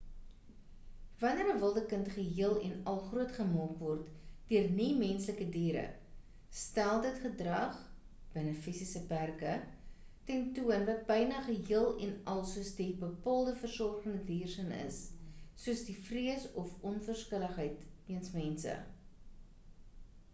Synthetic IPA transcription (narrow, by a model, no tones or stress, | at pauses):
vɐnəɾəvəlˠdəkəntχəɦiəlˠɛnɐlˠχruətχəmɑːkvɔrtd̥iərnimɛnsləkədiːɾə̰ | stælˠdətχədrɐχ | b̥ənəfisisəpærkə | tɛntuənvɐt̚bɐjnɐχəɦiəlˠɛnʔɐlˠsuəsdibəpɑːlˠdəfərsɔrχəndədiːrsənə̰sːuəsdifriəsɔfɔnfərskələχɦəjtiənsmɛnsə̰